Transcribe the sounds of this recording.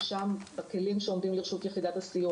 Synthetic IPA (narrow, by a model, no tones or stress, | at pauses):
ʃambeke̞limʃeo̞md̪imliʁʃut̪jeχid̪at̪hasiju